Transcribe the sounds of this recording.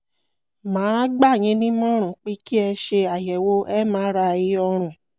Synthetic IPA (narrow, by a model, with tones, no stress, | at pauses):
mãː˨˦ɡ͡ba˦˨j̃ĩ˨˧˦nĩ˦mɔ̃˦ɾ̃ũ˨k͡pi˨˦ki˦ɛ˧ʃe˧a˨jɛ˨wo˦ʔɛ˦mãː˨˦ɾa˧i˧ɔ˧ɾ̃ũ˨